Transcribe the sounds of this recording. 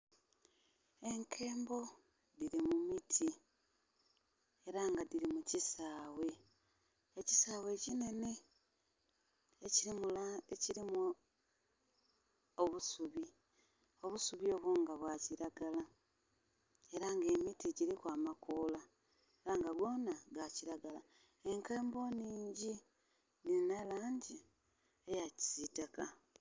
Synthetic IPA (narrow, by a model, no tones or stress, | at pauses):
e̞ŋkʰe̞ːmbo̞ | diɾimumitʰi | e̞ɾaŋɡadiɾimucisaːwe̞ | eci̥saːwe̞cine̞ni | e | eciɾimu | oβusuβi | o̞βusuβio̞ːβoːŋɡaβwaːciɾaɡala | e̞ɾaŋɡe̞mitiɟiɾikwaːmakoːla | eɾaŋɡaɡwo̞ːnaɡaciɾaɡala | e̞ŋkeːmbo̞ːniːɲɟi | ninalaːɲɟi | ejaci̥z̥itaka